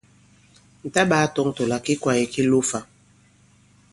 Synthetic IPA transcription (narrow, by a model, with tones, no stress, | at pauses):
n̩˨ta˦ɓaː˨˦tɔ˦ŋto˨la˨ki˦kwa˨ji˨ki˦lu˦fa˨